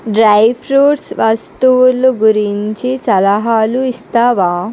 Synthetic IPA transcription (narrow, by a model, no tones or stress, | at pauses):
ɖɾajfɾuːʈsʋɐst̪uʋluɡuɾiɲt͡ʃisɐlaɦaːluist̪aːʋaː